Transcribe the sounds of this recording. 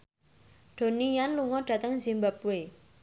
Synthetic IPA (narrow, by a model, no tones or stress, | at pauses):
ɖ̪̥o̤nijanluŋɔɖ̥ä̤t̪əŋzimbap̚we